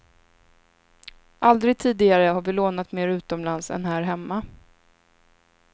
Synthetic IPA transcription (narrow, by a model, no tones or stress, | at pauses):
ʔald̪ɾɪɡ̚t̪ʰiːd̪ɪɡaɾəhaɾvɪloːnat̪meːɾʉ̟ːt̪ɔmlansɛ̰nɦæːɾɦɛmːa